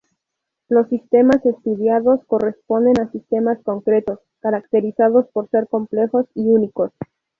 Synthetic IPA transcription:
lo̞sːist̪e̞mase̞st̪uðjaðo̞sko̞re̞spo̞nd̪e̞nasist̪e̞masko̞ŋkɾe̞t̪o̞s | kaɾakt̪e̞ɾisaðo̞spo̞ɾse̞ɾko̞mple̞xo̞siuniko̞s

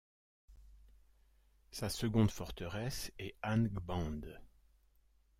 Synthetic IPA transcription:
sasəɡɔ̃d̪fɔʁt̪əʁɛsɛanɡbɑ̃d̪

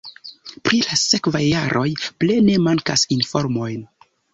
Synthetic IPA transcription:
pɾilase̞kvajːaɾʔo̞jple̞ne̞maŋkasinfo̞ɾmo̞jn

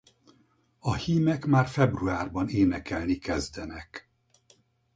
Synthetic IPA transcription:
ɒhiːmɛkmaːrfɛbruaːrbɒneːnɛkɛlnikɛzd̪ɛnɛk

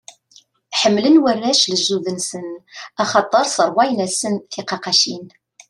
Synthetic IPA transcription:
ħəmːlənwərːæʃləzːuðənsənɑχɑt̪ˤːəɾˤsəɾˤwɑjnæsənθiqɑqɑʃin

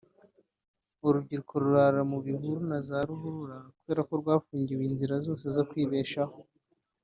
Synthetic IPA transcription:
uɾubɟiɾukʰo̞ɾuɾaɾamuβiɦuɾunazaɾuɦuɾuɾaɾakuβe̞ːɾako̞ɾɡwaːfuːɲɟiwiːnziɾazo̞ːse̞zo̞kwiːβe̞ːʃaho

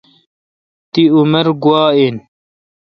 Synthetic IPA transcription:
t̪iumɐɾɡwaːin

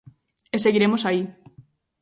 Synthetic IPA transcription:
eseɣiɾemosai

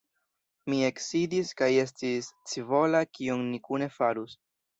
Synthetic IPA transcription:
mie̞ksidiskaje̞s̬tist͡sivo̞lakionnikune̞faɾus

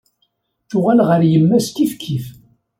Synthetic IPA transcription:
θʊʁælʁəɾjəmːæst̪ifkʰːif

